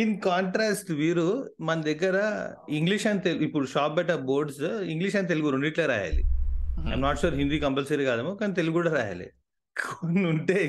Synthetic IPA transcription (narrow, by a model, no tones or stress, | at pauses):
inkɔːɳʈɾasʈʋiɾumɐnd̪ek̬ɐɾa | iŋɡliʃãnt̪elipuɭʃɔːp̚bɛʈaboːɾɖsiŋɡliʃãnt̪elɡuɾuɳɖiʈleɾa̰ɦja̰lḭaã̰mnɔʈʃoːɾɦĩnd̪uiːkɐmpəlseɾiɡaːd̪amukant̪̬elɡuɽaɾa̰ɦja̰lḛ | kʰonuɳʈe